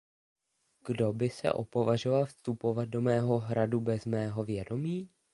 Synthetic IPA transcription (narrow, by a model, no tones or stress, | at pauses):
ɡ̥do̞bɪsɛ̰ʔo̞po̞vaʒovalfst̪upo̞vat̪̚do̞mɛːɦo̞ɦɾadubɛzmɛːɦo̞vjɛdo̞miː